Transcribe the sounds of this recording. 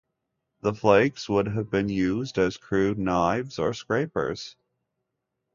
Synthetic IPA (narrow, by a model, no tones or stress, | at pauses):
ðəfleɪɡswʊd̚ɨvbɨ̃njʉzdɨz̥kʰɹ̥ʉdⁿnaɪvz̥ə̰˞skɹeɪpə̰˞z̥